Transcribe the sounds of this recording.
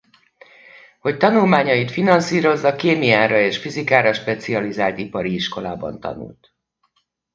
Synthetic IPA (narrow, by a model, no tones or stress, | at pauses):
ho̞c̚t̪ɒnulmaːɲɒjit̪finɒnsiːɾo̞zːɒkeːmijaːɾɒeːʃfizikaːɾɒʃpɛt̪siɒlizaːlt̪ipɒɾiiʃko̞la̰ːbɒ̰nt̪ɒ̰nṵlt̪